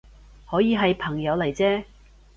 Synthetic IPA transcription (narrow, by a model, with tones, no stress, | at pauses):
hɔː˨˥jiː˨˧ɦɐ˨jpʰɐ˨˩ŋjɐ˨˧wlɐ˨˩jt͡sɛː˥